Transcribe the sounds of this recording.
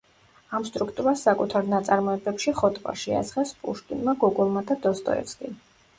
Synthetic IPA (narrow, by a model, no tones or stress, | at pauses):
amst̪ʼɾukʰt̪ʼuɾasːakʼut̪ʰaɾnat̪sʼaɾmɔɛbɛpʃiχɔt̪ʼvʼa̰ʃɛa̰z̥χɛspʼṵʃt̪ʼḭnmaɡɔɡɔlˠmad̪ad̪ɔst̪ʼɔ̰ɛ̰fskʼḭ